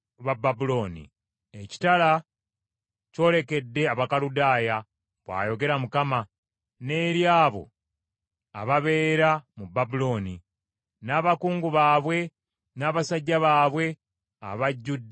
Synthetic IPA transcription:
βababulo̞ːnḭ | eci̥tala | co̞ːle̞ke̞dːe̞aβakaludaːja | βwa̰ːjo̞ɡe̞ɾamukama | ne̞ːɾjaːβo̞̰ | βaβe̞ːɾamubːabulo̞ːni | naːβakuːŋɡuβaːβwe̞ | naːβasaɟːaβaːβwe̞ | a̰βaɟːudː

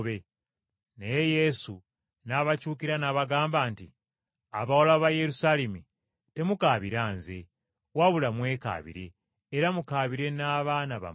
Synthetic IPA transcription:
βe | nejeje̞su | naβacuːkiɾanaβaɡaːmbaːnti | aβawolaβaje̞ɾusalemi | te̞mukaːβiɾaːnze̞̰ | waβulamwe̞ːka̰βḭɾe̞ː | ɾamukaːβiɾe̞naːβaːnaβa̰m

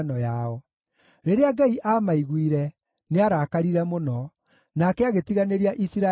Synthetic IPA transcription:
nɔjaɔ | ɾeɾeaɡaiʔamaiɣwiɾɛ | neaɾaːkaɾiɾɛmonɔ | nakɛaɣetiɣaneɾiaʔisiɾa

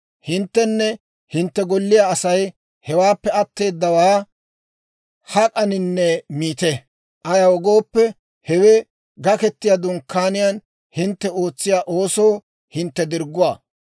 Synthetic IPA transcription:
hɪnt̪ːɛnːɛ | hɪnt̪ːɛɡɔlːɪjaːɐsɐj | hɛwaːpːɛɐt̪ːe̞ːd̪ːɐwaː | hɐkʼɐnɪnːɛmiːt̪ɛ | ʔɐjɐwɔɡo̞ːpːɛ | hɛwɛ | ɡɐkɛt̪ːɪjad̪ʊŋkʰːaːnɪjɐn | hɪnt̪ːɛo̞ːt͡sːɪjaːʔo̞ːso̞ː | hɪnt̪ːɛd̪ɪɾɡːʊwaː

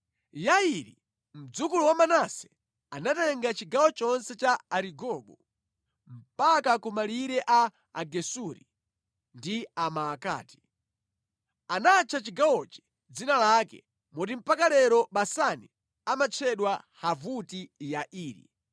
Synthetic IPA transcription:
jaiɾḭ | m̩d͡zukuluwamanasɛ̥ | anatɛŋɡat͡ʃiɡawɔt͡ʃɔnsɛt͡ʃaaɾiɡɔɓɔ | m̩pakakumaliɾɛʔa | a̰ɡɛsuɾḭ | ndiamaːka̰ːti̥ | anat͡ʃʰat͡ʃiɡawɔt͡ʃi̥ | d͡zinalakɛ̰ | mɔtim̩pakalɛɾɔɓasani | amat͡ʃʰɛɗwahavutijaʔiːɾḭ

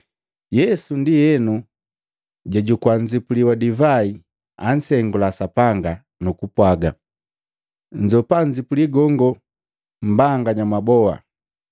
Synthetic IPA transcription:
jɛsundijɛnu | ɟaɟukwaɲd͡ʒipuliwadivai | an̩sɛŋɡulasapaŋɡa | nukupwaɡa | ɲd͡ʒɔpaɲd͡ʒipuliɡɔŋɡɔ | m̩baŋɡaɲamabɔa̰

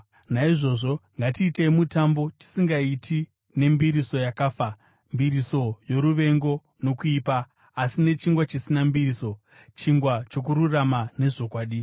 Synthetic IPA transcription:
naiʐo̞ʐo̞ŋɡatiːteimutambo̞ti̥siŋɡaitʰi | ne̞mbiɾiso̞jakaːfa | mbiɾiso̞jo̞ɾuʋe̞ŋɡo̞ | no̞kuiːpaː | sine̞t͡ʃiŋɡwat͡ʃisinambiriso̞ | t͡ʃiŋɡwat͡ʃo̞k̬uɾuramane̞ʐo̞kwaːɗi

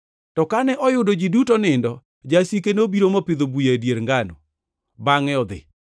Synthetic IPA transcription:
tɔkanɛʔɔjʊdod͡ʒidutonɪndɔ | d͡ʒasikenobiɾomopɪd̪obujedjeɾŋɡano̰ | baŋɛɔd̪ɪ̰

